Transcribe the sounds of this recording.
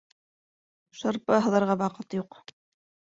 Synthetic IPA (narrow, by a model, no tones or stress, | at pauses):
ʃɤ̆ɾpɤɦɤ̆ðɤ̆ɾʁɑβɑqɤt̪juq